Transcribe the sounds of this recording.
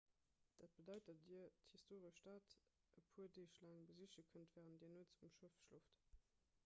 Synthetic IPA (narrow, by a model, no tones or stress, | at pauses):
d̥at̚b̥ədɑɪtɐdithistʰoːʁəʃd̥aːt | əpʰuːədeːʃlaŋbəziʃəkʰəntvɛːʁənd̥iːɐnuət͡sumʃufʃluft